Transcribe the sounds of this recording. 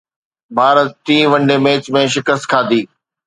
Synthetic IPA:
bʱaːɾət̪t̪ĩːʋɐ̃ɳɖeːmeːt͡ɕmẽʃ̬ɪkəst̪̚kʰaːd̪iː

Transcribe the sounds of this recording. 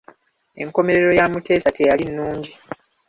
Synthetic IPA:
e̞̰ŋko̞me̞ɾeɾo̞jamute̞ːsatʰe̞jalinːuːɲɟi

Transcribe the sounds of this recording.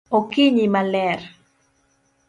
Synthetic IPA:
okiɲimalɛɾ

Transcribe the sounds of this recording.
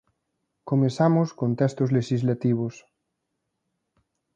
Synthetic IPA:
komesamoskont̪ɛst̪ozleʃizlat̪iβ̞os

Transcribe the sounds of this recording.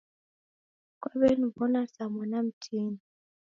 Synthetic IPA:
kwaβɛnuvɔnasamɔnam̩tʰini

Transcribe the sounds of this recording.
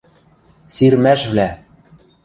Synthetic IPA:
siɾmæʃβlæ

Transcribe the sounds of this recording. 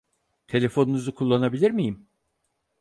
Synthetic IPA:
t̪ʰe̞lʲe̞fo̞nunuzukʰulˠːanabilʲiɾmijim

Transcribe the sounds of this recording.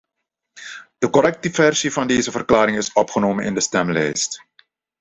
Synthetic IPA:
d̥əkɔɾɛk̚təvɛrsivɑndeːzəvərklaːɾɪŋɪsɔpχənoːmənɪ̰ndəstɛmlɛ̰jst

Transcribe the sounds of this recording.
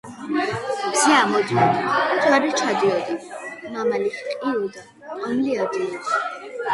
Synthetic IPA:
ziamɔd̪iɔd̪zwaɾɛt͡ʃʰad̪iɔd̪imamalikqʼiɔd̪a | anliad̪iɔs

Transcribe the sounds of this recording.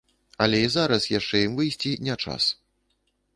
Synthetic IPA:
ɐlʲɛizaɾɐsjaʂt͡ʂɛjimvɨjsʲt͡sʲinʲɛt͡ʂa̰s

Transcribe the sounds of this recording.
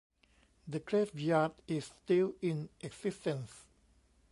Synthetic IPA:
dəkɹefjadisːtilĩnʔɛɡsistə̃ns

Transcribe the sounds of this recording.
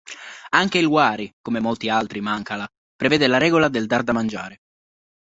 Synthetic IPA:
aŋkeilwaːɾikomemolt̪ialt̪ɾimaŋkala | pɾevɛːd̪elaɾɛːɡolad̪eld̪ard̪amand͡ʒa̰ːɾe

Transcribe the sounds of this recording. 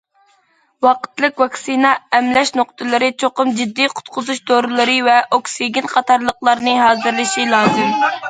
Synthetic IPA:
wɑqə̥t̪lˠɨkʲvɑksinɑɛmlɛʃnoqt̪ʰɨlˠɨɾɨt͡ʃʰoqʊmd͡ʒid̪ːijqʰʊ̥t̪̚qʰʊzuʃd̪oɾɨlˠɨɾɨvɛʔoksiɡʲinqʰɑt̪ʰɑɾlˠəqlˠɑɾnɨɦɑːzɨɾlˠɨʃilˠɑːzɨm

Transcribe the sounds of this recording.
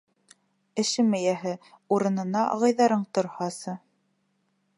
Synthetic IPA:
ɘ̆ʃɘmæ̆jæɦɘ | uɾɤ̆nɤ̆nɑɑ̰ʁɑjðɑɾɤɴt̪ŏɾhɑsɤ

